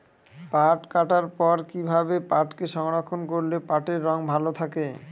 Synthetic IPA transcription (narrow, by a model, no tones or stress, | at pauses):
paʈkaʈaɾpɔɾkibʱabepaʈkeʃɔŋɾakʰːonkoɾlepaʈeɾːɔŋbʱalot̪ʰake